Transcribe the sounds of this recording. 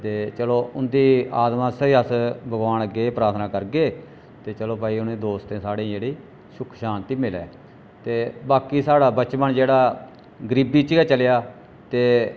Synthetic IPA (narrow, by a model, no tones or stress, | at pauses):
t̪eːt͡ʃəloːʔʊnd̪iːaːd̪mãːsəɦəsbəɡaːnəɡeːpɾaːɾt̪ʰnãːkəɾɡeː | t̪eːt͡ʃəloːpaːiːʊnẽːd̪oːst̪ẽːsaːɽẽːd͡ʒeːɽiː | ʃʊkʰʃaːnt̪iːmɪlɛ̰ː | t̪eːbaːkiːsaːɽaːbət͡ʃbəɳd͡ʒeːɽaː | ɡəɾiːbiːt͡ʃɡɛːt͡ʃəljaː | t̪eː